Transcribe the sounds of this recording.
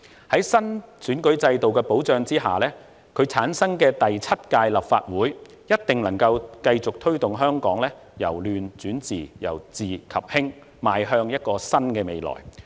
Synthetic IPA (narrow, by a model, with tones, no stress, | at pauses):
hɐ˨˥jsɐ˥nt͡syː˨˥nkɵ˨˥ɥt͡sɐ˧jt̪o˨wkɛː˧po˨˥wt͡ʃœː˧ŋt͡siː˥ɦa̰ː˨lɛː˥ | kʰɵ˨˧ɥt͡sʰaː˨˥nsɐ˥ŋkɛː˧t̪ɐ˨jt͡sʰɐ˥t̚kaː˧jlɐ˨p̚faː˧t̚wuː˨˥j | jɐ˥t̚t̪ɪ˨˩ŋlɐ˨˩ŋkɐ˧wkɐ˧jt͡sʊ˨k̚t̪ʰɵ˥ɥt̪ʊ˨ŋɦœː˥ŋkɔː˨˥ŋlɛː˥ | jɐ̰˨˩wlyː˨nt͡syː˨˥nt͡siː˨jɐ̰˨˩wt͡siː˨kʰɐ˨p̚hɪ˥ŋ | maː˨˧jɦœː˧ŋjɐ˥t̚kɔː˧sɐ˥nkɛː˧me˨˧jlɔ̰ː˨˩j